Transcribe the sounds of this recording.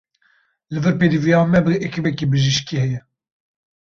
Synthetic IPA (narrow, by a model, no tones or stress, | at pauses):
lɨvɨɾpeːd̪ivijɑːmɛbɨekʰivɛkibɨʒiʃkihɛjɛ